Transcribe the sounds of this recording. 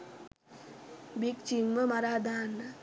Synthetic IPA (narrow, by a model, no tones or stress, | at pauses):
bikt͡ʃimməmaɾaːd̪aːn